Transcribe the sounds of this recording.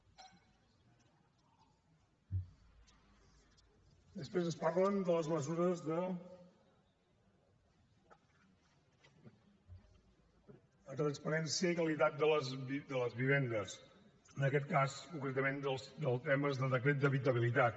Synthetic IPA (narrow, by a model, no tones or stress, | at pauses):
d̪əspɾezəspaɾlənd̪ələzməzuɾəzðə | ət̪ɾənspəɾɛnsiəikəlit̪at̪̚d̪ələzid̪ələzβiβ̞end̪əs | ənəkɛt̪kaskuŋkɾɛt̪əmend̪əlˠsd̪əlˠt̪ɛməzðəðəkɾet̪̚d̪əβit̪əβ̞ilit̪at̪